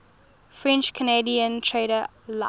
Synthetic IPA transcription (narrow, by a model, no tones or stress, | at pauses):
fɹɛ̃nt͡ʃkʰənediə̃ntʰɹeɾə | l